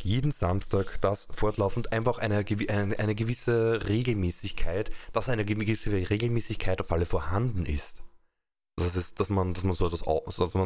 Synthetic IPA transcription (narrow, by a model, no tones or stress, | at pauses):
jeːdn̩z̥amstaːkd̥asfɔɐtlaʊfn̩tʔæɪnfaχæɪnəɡəʔɪnʔæɪnəɡəvɪsəʁeːɡl̩mɛːsɪçkʰaɪtd̥asæɪnəɡəɪsəʁeːɡl̩mɛːsɪçkʰaɪtaʊfʔaləfoːɐhandn̩ɪ̰st | d̥asɛsd̥asmand̥asmanzoɛtvasa̰odasma